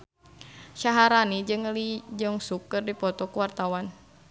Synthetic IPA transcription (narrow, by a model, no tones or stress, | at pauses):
ʃaɦaɾanid͡ʒɨŋlid͡ʒɔŋsukːɨrdipɔt̪ɔkuwart̪awan